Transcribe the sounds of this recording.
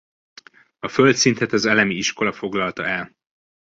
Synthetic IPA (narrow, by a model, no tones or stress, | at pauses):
ɒfø̞lt̪sint̪ɛt̪ɒzɛlɛmiiʃko̞lɒfo̞ɡlɒlt̪ɒɛl